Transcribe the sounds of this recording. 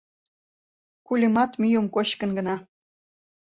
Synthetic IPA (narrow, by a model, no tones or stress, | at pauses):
kulʲəmɑt̪myjomkot͡ɕkə̆nɡə̆nɑ